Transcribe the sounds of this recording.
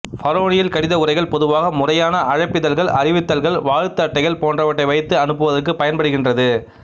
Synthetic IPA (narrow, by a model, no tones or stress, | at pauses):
fɐɾoːɳɪjɪlkɐɽɪðɐʊrɐɪɣɐɭpɔðɯʋaːɣɐmʊrɐjaːnɐɐɻɐpːɪðɐlɣɐɭʔɐrɪʋɪt̪ːɐlɣɐɭʋaːɻɯt̪ːɐʈːɐɪjɐlpoːndrɐʋɐʈːɐɪʋɐɪt̪ːɯɐnɯpːɯʋɐðɐkːɯpɐjɐnpɐɽɯɣɪndrɐðɯ